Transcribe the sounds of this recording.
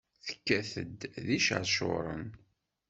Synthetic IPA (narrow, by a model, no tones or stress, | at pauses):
θə̥kːæθə̰d̪ðiʃə̰ɾʃo̰ɾˤə̰n